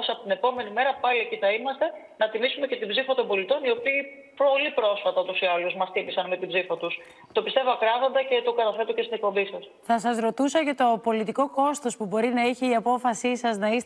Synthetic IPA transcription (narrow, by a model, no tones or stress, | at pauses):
sɐpot̪ine̞po̞me̞nime̞ɾɐpɐlieciθɐimɐst̪e̞ | nɐt̪imisumece̞t̪ibzifɐt̪o̞mbo̞lit̪o̞nio̞piː | po̞lipɾo̞sfɐt̪ɐot̪usiɐluzmɐst̪imisɐnme̞t̪ibzifɐt̪us | t̪o̞pist̪e̞voɐkɾɐvo̞nd̪ɐce̞t̪o̞kɐt̪ɐfe̞t̪oce̞st̪ine̞k̚po̞mbisɐsθɐsɐsɾo̞t̪usɐcɐt̪o̞po̞lit̪iko̞ko̞st̪o̞spubo̞ɾinɐiçiiɐpo̞fɐsisɐznɐis